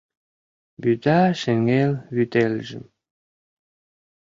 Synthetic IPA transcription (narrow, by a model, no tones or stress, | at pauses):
byt̪aʃĕŋelβyt̪elʒɘ̰̆m